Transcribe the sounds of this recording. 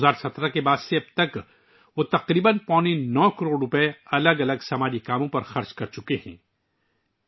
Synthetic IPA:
aːɾsɐt̪ɾakebaːd̪seɐb̚t̪ɐk | ʋot̪ɐqɾiːbənpɔ̃ːninɔːkɐɾoːɖɾʊpɛɐləɡɐləɡsɐmaːd͡ʒikaːmõpɐɾxɐɾt͡ʃkɐɾt͡ʃʊkehɛ̰̃ː

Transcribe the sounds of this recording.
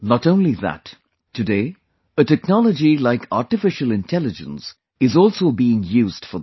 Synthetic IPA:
nətõʊ̃nliðæ̰tʰː | ɨdeɪ | ətɛk̚nɑlˠəd͡ʒilaɪkʰa̰ɹʈɨfɪʃəlɪ̃ntʰɛlɨd͡ʒə̰̃ns | ɪzɔlˠsoʊbiːɪ̃ŋjuːzd̥fə

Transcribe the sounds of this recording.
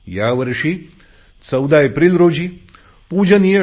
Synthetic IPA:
jaːʋɐɾʂi | t͡ʃɐwd̪ʱaːepɾilɾoːd͡ʒi | puːd͡ʒɐnijɐ

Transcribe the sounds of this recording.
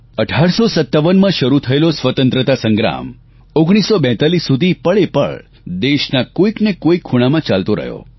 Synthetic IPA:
əʈʰaɾsosət̪ːaʋənmãʃəɾut̪ʰəelosʋət̪ə̃nt̪ɾət̪asə̃ŋɡɾa̰m | oɡɽ̃isːobɛ̃t̪alisːud̪ʱipəɭepə̰ɭ | d̪eʃnakoiknekoikʰːuɽ̃amãt͡ʃalt̪oɾə̰ɦjo̰

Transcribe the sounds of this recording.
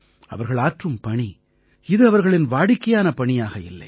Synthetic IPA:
ɐ̰ʋɐɾɣɐɭaːʈrɯmpɐɳi | ɪðɯɐʋɐɾɣɐɭɪnʋaːɽɪkːɐjaːnɐpɐɳijaːɣɐɪ̰lːɐ̰ɪ

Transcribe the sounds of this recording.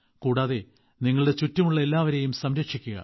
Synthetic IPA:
kuːɽaːðe | niŋːɐɭɨɽe̞t͡ɕutːɐmuɭːɐe̞lːaːʋɐɾe̞jumsɐmɾɐkʂikʲːuɣɐ̰

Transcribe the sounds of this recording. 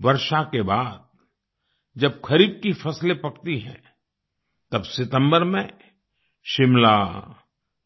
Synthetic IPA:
ʋɐɾʃakebaːd̪̚ | d͡ʒɐbkʰɐɾiːb̚kifɐslepɐkt̪iɦɛ̰̃ | t̪ɐbsɪt̪ə̃mbəɾmẽ | ʃɪmlaː

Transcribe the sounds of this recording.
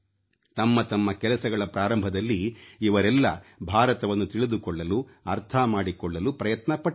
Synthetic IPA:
t̪ɐmːɐt̪ɐmːɐkɛlɐsɐɡɐɭɐpɾaːɾɐmbʱɐd̪ɐlːiːʋɐɾɛlːɐ̰bʱaːɾɐt̪ɐʋɐnːut̪iɭid̪ukɔɭːɐluɐɾt̪ʰɐmaːɽikɔɭːɐlupɾɐjɐt̪nɐpɐ

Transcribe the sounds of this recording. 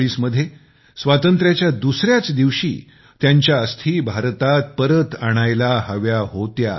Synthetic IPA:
ɽiːsməd̪ʱːje | sʋat̪ənt̪ɾjat͡ɕjad̪usɾjat͡sd̪iʋɕḭː | t̪jaɲt͡ɕjaəst̪ʰiːbʱaɾt̪at̪̚pəɾət̪aɽ̃ajlahəʋjaɦot̪ja̰

